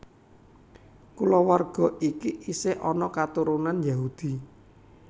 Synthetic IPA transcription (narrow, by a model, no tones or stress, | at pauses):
kulɔwarɡ̥ɔ̤ikiʔiseʔɔnɔkat̪uɾunanjaɦud̪̥i̤